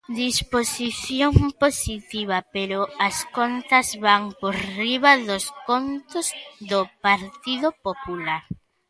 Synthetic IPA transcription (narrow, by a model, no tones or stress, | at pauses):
d̪isposiθjoŋposit̪iβɐpeɾʊɐskont̪ɐzβaŋpoɾriβɐðoskont̪ʊzðopaɾt̪iðʊpopulaɾ